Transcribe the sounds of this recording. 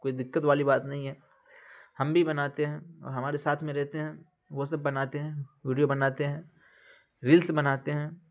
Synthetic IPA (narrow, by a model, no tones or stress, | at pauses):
koːid̪ɪkːət̪ʋaːlibaːt̪nɐɦĩɦɛː | hɐmbʱibɐnaːt̪eɦɛ̃ɔ̰ːɾɦɐmaːɾesaːt̪ʰmẽɾɛɦt̪eɦɛ̃ː | ʋosɐb̚bɐnaːt̪eɦɛ̃ʋiːɖijobɐnaːt̪eɦɛ̃ː | ɾiːlsbɐnaːt̪eɦɛ̃ː